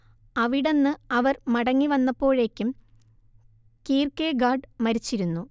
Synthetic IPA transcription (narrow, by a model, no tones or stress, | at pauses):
ɐʋiɽe̞nːɨɐʋɐrmɐɽɐŋːiʋɐnːɐpːo̞ːɻe̞ːkʲːum | kiːrkeːɡaːɖmɐɾit͡ɕːiɾunːu